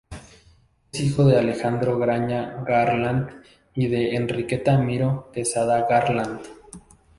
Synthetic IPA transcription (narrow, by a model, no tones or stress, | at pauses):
esixo̞ðe̞ale̞xand̪ɾo̞ɣɾaɲaɣaɾland̪ | iðe̞ːnrike̞t̪amiɾo̞t̪e̞saðaɣaɾland̪